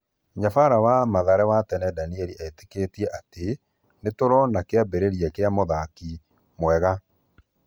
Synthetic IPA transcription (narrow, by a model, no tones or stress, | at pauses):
ɲafaɾawamaðaɾɛwatɛnɛdaniɛɾiʔɛte̥ketiɛʔate | netoɾɔnakeabeɾeɾiɛkeamoðaki | mwɛɣa